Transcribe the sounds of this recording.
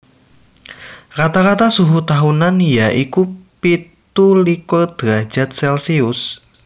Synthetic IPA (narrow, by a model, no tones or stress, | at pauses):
kat̪akat̪asuɦut̪aɦunanjaʔikupit̪ulikod̪̥ɾḁd͡ʒ̥at̪̚sɛlsiʊs